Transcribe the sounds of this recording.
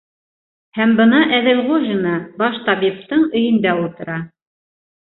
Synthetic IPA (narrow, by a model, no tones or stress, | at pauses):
hæmbɤ̆nɑʔæðɘ̆lʁuʒɘnɑbɑʃt̪ɑβip̚t̪ɤɴɘ̆jɘ̆nd̪æulˠt̪ɤ̆ɾɑ